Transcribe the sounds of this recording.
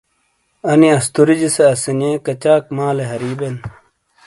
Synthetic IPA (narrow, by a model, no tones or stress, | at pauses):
ɐniɐst̪uɾid͡ʑiseɐsinijẽkɐt͡ɕaːkmaːleɦɐɾiːben